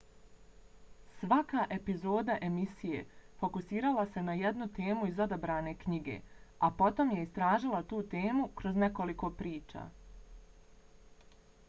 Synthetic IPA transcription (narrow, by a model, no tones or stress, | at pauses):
sʋakaʔe̞pizo̞ːd̪aʔe̞misije̞̰fo̞kusiːɾalˠase̞najed̪nut̪e̞ːmuizo̞d̪abɾaːne̞kɲiɡe̞̰apo̞t̪o̞mje̞ist̪ɾaːʒilˠat̪uːt̪e̞ːmukɾo̞zne̞ko̞liko̞pɾiːt͡ʃa̰ː